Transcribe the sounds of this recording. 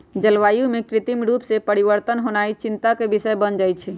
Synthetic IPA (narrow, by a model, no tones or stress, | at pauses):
d͡ʒəlʋajumekɾɪt̪imɾupsepəɾiʋəɾt̪ənɦonait͡ʃint̪akebisəebənd͡ʒajt͡ʃʰi